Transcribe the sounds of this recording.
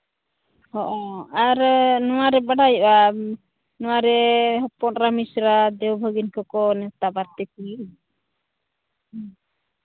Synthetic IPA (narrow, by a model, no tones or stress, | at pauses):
hɔʔɔaɾnɔwaɾɛbaɽajʔa | nɔwaɾɛɦɔpɔnɾamisɾad̪ɛwbʱəɡinkɔkɔnɛt̪abaɾt̪ɛki